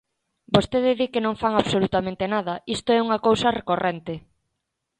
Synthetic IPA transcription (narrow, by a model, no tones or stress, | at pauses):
bost̪eðɪðikenõŋfaŋaβsolut̪amẽnt̪enaðɐist̪oɛuŋɐkowsɐrekorʔɛnt̪ɪ